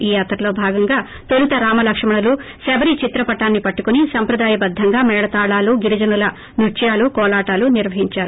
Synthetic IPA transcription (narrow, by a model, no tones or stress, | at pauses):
iːat̪ɾɐlo̞ːbʱaːɡɐŋɡaː | t̪olut̪ɐɾaːmɐlɐkʂɐmɐɳɐlu | sebɐɾit͡ʃit̪ɾɐpɐʈaːnːipɐʈːukunisɐmpɾɐd̪aːjɐbɐd̪ʱːɐŋɡaːmɛːɽɐt̪aːɭaːluːɡiɾid͡ʒɐnulɐ | nut͡ʃɐjaːlukɔːlaːʈaːluniɾʋɐɦiɲt͡ʃaːɾu